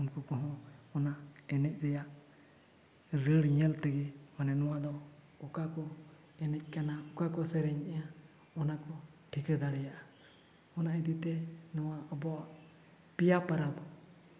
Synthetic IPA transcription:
unkɔkɔ̃ɦɔ̃ɔnaɛnɛc̚ˀɾɛjaʔ | ɾəɽɲɛlt̪ɛɡɛmanɛnɔwad̪ɔ | ɔkakɔ | ɛnɛc̚ˀkanaɔkakɔsɛɾɛɲɛja | ɔnakɔ | ʈʰikəd̪aɽɛjaʔa | ɔnaid̪it̪ɛnɔwaɔbɔaʔ | pijapaɾabɔ

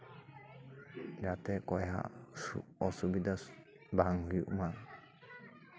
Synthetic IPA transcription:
jat̪ɛkɔjɦa̰sṵɔsubid̪a | baŋhujṵʔma

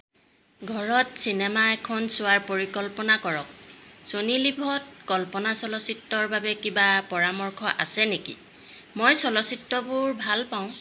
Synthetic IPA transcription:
ɡʱɔɹɔtsinɛmaɛkʰɔnsʊwaɹpoɹikɔlpɔnakɔɹɔk̚sonilibʱɔt̚kɔlpɔnasɔlɔsitːɔɹbabɛkibapɔɹamɔɹkʰɔʔa̰sɛnekḭ | mojsɔlɔsitːɔbʊɹbʱalpaʊ̃

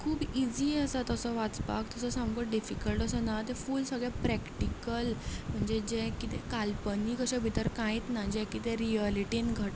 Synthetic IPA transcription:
kʰuːbid͡ʑiːəsat̪əsɔʋat͡spa̰kt̪əsəsãmɡəɖifikəlʈəsənat̪efuːlsəɡɭɛpɾɛkʈikəlm̤əɳd͡zed͡ʑẽkit̪ḛkalpəniːkəɕɛ̃bʱit̪əɾkãit̪nad͡ʑẽkit̪ẽɾiəliʈinɡʱəʈ

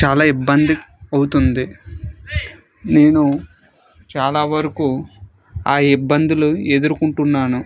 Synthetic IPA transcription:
t͡ʃaːlaːibːɐnd̪iɐwut̪und̪i | ne̞ːnu | t͡ʃaːlaːʋɐɾikuː | aːibːɐnd̪ilueːd̪uɾukuɳʈunːaːnu

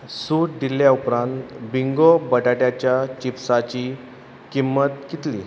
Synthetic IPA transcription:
suʈd̪iljaupɾãnt̪biŋɡobəʈaʈjat͡ɕjat͡ɕipsat͡ɕiː | kimːət̪kit̪lḭː

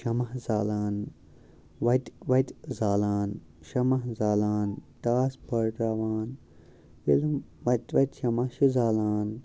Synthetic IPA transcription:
ʃɐmɐɦzaːlaːn | ʋɐt̪ʋɐt̪zaːlaːn | ʃɐmɐɦzaːlaːnt̪aːspɐɾʈaʋaːn | ʋḭlumʋɐt̪ʋɐt̪ʃɐmɐʃuzaːlaːn

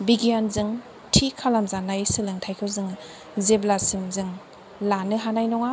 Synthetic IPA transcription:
biɡijanzɯŋ | tʰikʰalamzanajsɯlɯŋtʰajkʰɯwzɯŋ | zeblasimzɯŋ | lanɯɦanajnɔŋa

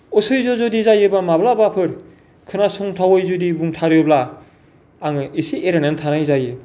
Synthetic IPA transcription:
ɔsɯjzɔzodizajɯbamablabapʰɯɾ | kʰɯnasɔŋtʰawɯjzudibuŋtʰaɾjobla | aŋɯisieɾanantʰanajzajɯ

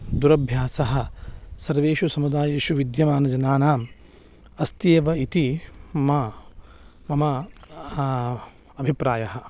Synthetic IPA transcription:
d̪uɾɐbʱjaːsɐɦɐ̆sɐɾʋeːʃusɐmud̪aːjeːʃuʋid̪jɐmaːnɐd͡ʒɐnaːnaːm | ɐst̪eːʋɐit̪imɐ | mɐmɐ | ɐbʱipɾaːjɐɦɐ̆

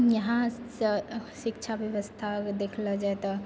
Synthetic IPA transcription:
jɐɦã | ʃɪkt͡ʃʰaʋjɐʋəst̪ʰad̪eːkʰlad͡ʒaet̪a

